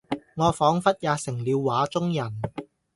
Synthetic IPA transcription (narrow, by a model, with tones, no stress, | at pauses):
ŋɔː˨˧fɔː˨˥ŋfɐ˥t̚jaː˨˧sɪ˨˩ŋliː˨˧wːaː˨˥t͡sʊ˥ŋjɐ˨˩n